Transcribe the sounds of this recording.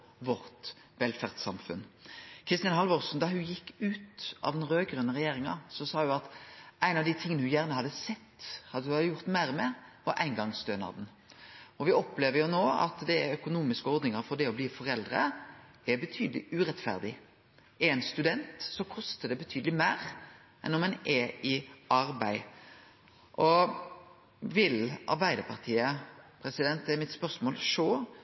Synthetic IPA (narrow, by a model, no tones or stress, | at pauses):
ʋɔɾt̪ | ʋɛlfæʁd̪sɑ̰mfʉ̰nkʰɾɪst̪ɪɑnɦɑlʋɔʁsn̩d̪ɑhʉjɪkːʉːt̪ɑ̰ʋd̪ɛnɾøːɡɾœnːəʁɛjeːɾɪŋɑ̰sɔsɑːhʉɑt̪æɪnɑʋd̪ɪt̪ʰɪŋənəhʉjæːʁnəhɑd̪əsɛt̪ːhɑd̪ːəʉɑjʊʁt̪mæɪʁmɛʋɑɾʔæ̰ɪnɡɑŋst̪øːnɑ̰d̪n̩ | ɔʋɪɔpleːʋəɾjʊnoːɑ̰t̪d̪ɛœkʊnuːmɪskəɔɾd̪nɪŋɑfɔɾd̪ɛɔbliːfɔɾɛld̪ʁə | ɛɾbət̪ʰyːd̪əlɪʉɾɛt̪fæ̰ʁd̪ɪ | ʔɛnst̪ʉd̪ɛnt̪sɔkʰɔst̪əd̪ɛbət̪ʰyːd̪əlɪmæːɾ | ʔɛ̰nɔmɛnʔɛɪɑɾbæɪ | ʔɔ | ʋɪlʔɑ̰ɾbæɪd̪əpʰɑʁt̪ʰiːəpʰɾɛsɪd̪ɛnt̪ɛmɪt̪spœʁsmoːlʂoː